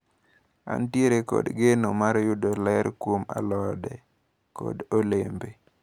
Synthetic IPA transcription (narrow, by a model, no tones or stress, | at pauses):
a̰ntjeɾekɔ̰dɡenomaɾjʊdolɛɾkwoma̰lɔdɛ | kɔ̰dolembe